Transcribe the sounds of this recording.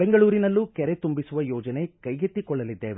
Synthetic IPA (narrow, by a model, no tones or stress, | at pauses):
beŋɡɐɭuːɾinɐlːukɛɾet̪umbisuʋɐjɔːd͡ʒɐne̞kɐjɡet̪ːikɔɭːɐlid̪ːeːʋe